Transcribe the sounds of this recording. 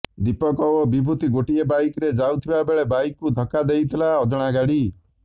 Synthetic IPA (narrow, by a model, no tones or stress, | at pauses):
d̪ipɔkɔobibʱut̪iɡoʈiebajkɔɾed͡ʒawt̪ʰibabeɭebajkːud̪ʱɔkad̪ejt̪ʰilaɔd͡ʒɔɽ̃aɡaɽi